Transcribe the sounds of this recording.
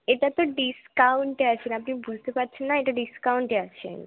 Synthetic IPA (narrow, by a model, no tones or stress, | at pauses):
et̪at̪oɖiskauɳʈeasenapnĩbud͡zt̪epaɾt͡ɕʰenːaeʈ̪aɖiskauɳʈeaɕḛn